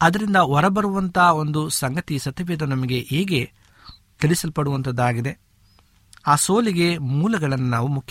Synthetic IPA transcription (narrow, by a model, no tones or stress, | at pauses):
ɐd̪ɐɾind̪ɐɔɾɐbɐɾuʋɐnt̪ao̞nd̪usɐŋɡɐt̪isɐt̪iʋeːd̪ɐnɐmɐɡe̞ʔeːɡe̞ | k̪eɭisɐlpɐɽuʋɐnt̪ɐd̪ːaːɡid̪e̞ | aːso̞ːliɡe̞muːlɐɡɐɭɐnːunaːʋumukʰj